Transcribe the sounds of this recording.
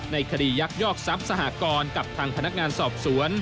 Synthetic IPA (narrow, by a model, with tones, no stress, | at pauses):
na˧jkʰa˧diː˧˩ja˦˥k̚jɔː˥˩k̚sa˦˥p̚sa˧ɦa̰˨˩kɔː˧nka˨˩p̚t̪ʰaː˧ŋpʰa˧na˦˥k̚ŋaː˧nsɔː˨˩p̚su˩˦ən